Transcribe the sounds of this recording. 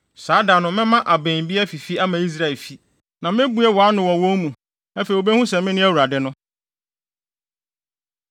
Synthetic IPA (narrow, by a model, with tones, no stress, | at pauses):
saː˨˦da˨nʊ̃˨mɪ̃˦mã˦ʔa˨bẽ˨bi˦ɛ˦fi˨fi˦a˦mã˨i˦s̬ɾa˦˨ɛ˨lfi˦ | nã˨mɪ̃˦bu˦ɛ˦wɔ˨a˦nʊ̃˨wɔ˨wõ˦mũ˨ | æ˦fe˨i˨o˨be˦hũ˦sɛ˨mɪ̃˦nɪ̃˦æ˦wu˨ɾa˨dɛ˦nʊ̃˦